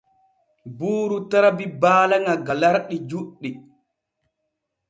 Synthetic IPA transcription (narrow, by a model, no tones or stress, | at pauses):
buːɾutaɾabibaːlaŋaɡalaɾɗid͡ʒuɗːi